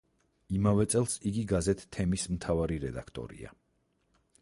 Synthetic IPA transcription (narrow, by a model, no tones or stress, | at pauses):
imavɛt̪sʼɛlˠsiɡiɡazɛt̪ʰːɛmismt̪ʰavaɾiɾɛd̪akʰt̪ʼɔ̰ɾḭa̰